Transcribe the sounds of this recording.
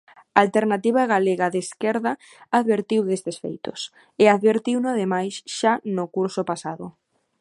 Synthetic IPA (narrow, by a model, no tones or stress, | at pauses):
aalt̪eɾnat̪iβ̞aɣaleɣaðeskɛɾða | aðβeɾt̪iwðest̪esfḛjt̪ʊ̰s | ɪaðβeɾt̪iwnʊaðemajsʃanʊkuɾsʊpasaðʊ̰